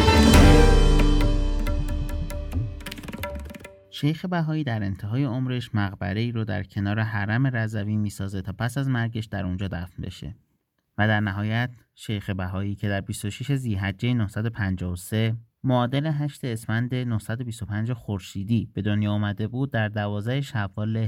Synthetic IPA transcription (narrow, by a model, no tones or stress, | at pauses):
ʃejxe̞bæɦɒːiːd̪æɾe̞nt̪ʰe̞ɦɒːje̞omɾe̞ʃmæɣbæ̰ɾe̞iːɾod̪æ̰ɾcʰe̞nɒːɾe̞ɦæɾæme̞ɾæzæviːmiːsɒːze̞t̪ʰɒːpʰæsæzmæɾɟe̞ʃd̪æɾund͡ʒɒːd̪æfnbe̞̰ʃe̞̰ | væd̪æɾnæɦɒːjæt̪ʰ | ʃejxe̞bæɦɒːiːcʰe̞d̪æɾbist̪o̞ʃiʃeziːɦæd͡ʒːejenohsæd̪o̞pʰænd͡ʒɒːose̞ | moːd̪e̞le̞ɦæʃt̪e̞ːsmænd̪e̞nohsæd̪o̞bist̪o̞pʰænd͡ʒexoɾʃiːd̪iːb̥e̞d̪onjɒːuːmæd̪e̞buːd̪̚ːæɾd̪ævɒːzæheʃævːɒːle̞